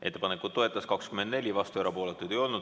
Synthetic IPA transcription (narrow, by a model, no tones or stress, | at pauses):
e̞t̪ːˑe̞pɑnekˑud̪ːo̞e̞t̪ːˑɑskɑkskymend̪ne̞lʲivɑst̪ueɾɑpo̞ːlet̪ːˑujd̪̥e̞jo̞lnud̪̥